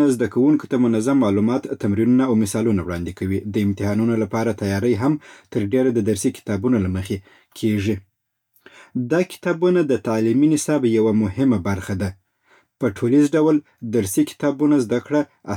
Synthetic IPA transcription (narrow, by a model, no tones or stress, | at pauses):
azd̪akawuŋko̥t̪amʊnazamːɑlumɑt̪ːamɾinunaːwmɪsɑlunawɽɑ̰nd̪ɪkawid̪əɪmt̪ɪɦɑnunolapɑɾat̪ajɑɾəjɦamt̪əɾɖeɾad̪əd̪aɾsikɪ̥t̪ɑbunolaməxe | kʰeʐi | d̪ɑkɪ̥t̪ɑbunad̪ət̪aliminɪsɑbjawamʊɦɪmabaɾxad̪a | pəʈʰolizɖawl | d̪aɾsikɪ̥t̪ɑbunazd̪akɽa | a